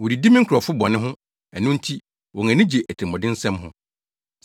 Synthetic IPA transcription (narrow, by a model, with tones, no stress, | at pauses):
wɔ˨ɾi˨di˦mĩ˦ŋ̩˦kʰɾɔ˨fʊ˦bɔ̃˨nɪ̃˦ɦʊ̃˦ | ɛ˨nʊ̃˦n̩˦tʰi˦ | wɔ̃˨ŋæ̃˨nɪ̃˦d͡ʑe˨ʔæ˨tʰmɔ̃˨dɪ̃˦n̩˦sɛ̃˦mɦʊ̰̃˦